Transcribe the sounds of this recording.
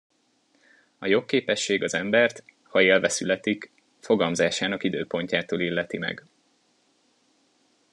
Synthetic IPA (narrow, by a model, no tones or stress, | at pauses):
ɒjo̞kːeːpɛʃːeːɡɒzɛmbɛrt̪ | hɒeːlvɛsylɛt̪ik | fo̞ɡɒlmzaːʃaːnɒkid̪øːpo̞ɲcaːt̪oːlilːɛt̪imɛ̰ɡ